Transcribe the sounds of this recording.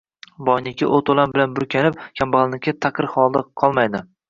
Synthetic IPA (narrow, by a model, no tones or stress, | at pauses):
bɒjnɪkʲʰɪ̰ʔot̪ʰolˠambɪlanbʊɾkʲʰanɪp̚kʲʰambalˠnɪkʲʰːɪt̪ʰaqʰɨɾχɒlˠd̪aqʰɒlˠmajd̪ɪ